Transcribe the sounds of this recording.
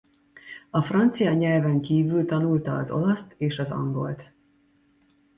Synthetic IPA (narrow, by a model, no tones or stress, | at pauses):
ɒfrɒnt̪sijɒɲɛlvɛŋkiːvylt̪ɒnult̪ɒːzo̞lɒst̪eːʃɒzɒ̰ŋɡo̞̰lt̪